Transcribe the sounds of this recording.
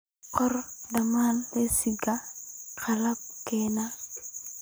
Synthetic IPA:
kɔrdamanlesiɡakalap̚kɛna

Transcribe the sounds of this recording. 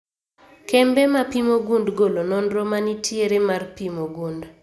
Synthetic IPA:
kɛmbɛmapimoɡundɡolonɔnɾomanitʰjeɾemarpimoɡund

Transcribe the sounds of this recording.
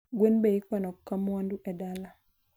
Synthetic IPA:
ɡwenbeikwanɔkːamwanduʔɛdala

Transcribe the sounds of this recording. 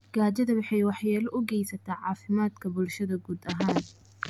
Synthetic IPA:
ɡ̥aːt͡ʃɐðɐwɑħɑjwɑħjaːlɐʔʊɡɛjsɐt̪ʰaːʕɑːfɪmaːd̪kʰɐbʊlʃɐðɐɡuːd̪ɐɦaːn

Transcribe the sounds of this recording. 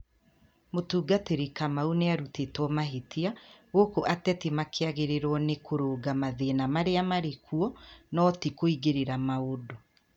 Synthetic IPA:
motuːɡateɾekamauneaɾutetwɔmaɦetʰiaɣokoʔatɛtimakʰeaɣeɾeɾwɔnekoɾoːɡamaðenamaɾeamaɾekʰuɔnɔtikoiɡeɾeɾamaodo

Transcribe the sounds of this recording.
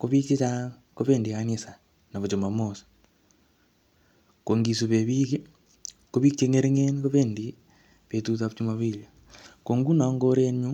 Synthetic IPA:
koβit͡ʃet͡ʃa | koβeːndikaɲisa | naβot͡ʃomamosḁ | koŋɡisuβeβike | koβikt͡ʃeŋeɾeŋenikoβeːndi | βetut̬aut͡ʃumaβila | koŋɡunaŋɡoɾeɲu

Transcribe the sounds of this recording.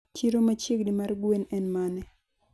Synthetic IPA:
t͡ʃiɾomat͡ʃjeɡdimarɡwenɛnmanɛ

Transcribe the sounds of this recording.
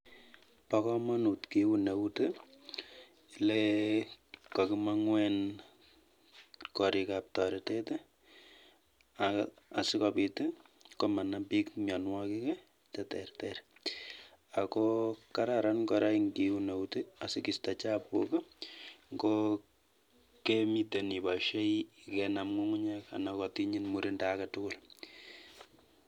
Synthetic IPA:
pakɔmanutkiuneute | le | kɔkimaŋwɛn | kɔɾikap̚tɔɾetetɛ | a | asɪkɔpitekɔmanapikɲɔnwakikɛ | tɛtɛrtɛɾ | akɔkaɾaɾankɔɾaiŋɡiunewteasikistat͡ʃapṵkaŋɡo | kemitenibaʃeikɛnamŋuŋʊɲɛka̰nakɔtiɲinmuɾindaːkatʊkʊl

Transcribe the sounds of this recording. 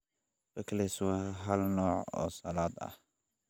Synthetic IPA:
b̥ɐkɐlɛswɛɦɐlnɔːʕɔ̰ːsɐlaːd̪ɐ̰h

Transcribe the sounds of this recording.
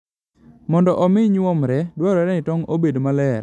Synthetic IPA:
mɔndɔʔɔmɪɲwɔmɾɛdwɔɾɔɛɾɛnɪtɔŋobedmalɛr

